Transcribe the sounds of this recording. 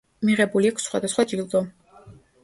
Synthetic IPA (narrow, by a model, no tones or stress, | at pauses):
miʁɛbuliakʰsχwa̰d̪asχwad͡ʒilˠd̪ɔ